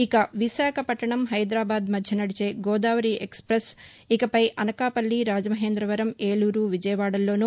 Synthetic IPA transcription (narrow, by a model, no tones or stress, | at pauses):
ikɐʋiʃaːkʰɐpɐʈːɐɳɐmɦɐjd̪ɾaːbaːd̪mɐd̪ʱjɐnɐɽit͡ʃeːɡɔːd̪aːʋɐɾiːʔekspɾes | ikɐpɐjʔɐnɐkaːpɐlːiɾaːd͡ʒɐmɐɦeːnd̪ɾɐʋɐɾɐmeːɭuːɾuːʋid͡ʒɐjɐʋaːɽɐlːo̞ːnu